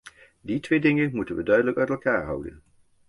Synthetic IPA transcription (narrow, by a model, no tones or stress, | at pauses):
ditʋejdɪŋənmutənʋədœɥdələkœɥtɛlˠkaːɹɦʌwdə̰n